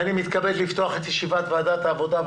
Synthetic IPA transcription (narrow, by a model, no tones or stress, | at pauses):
animit̪kabedlift̪o̞aχet̪jeʃivat̪vead̪at̪aːvo̞d̪a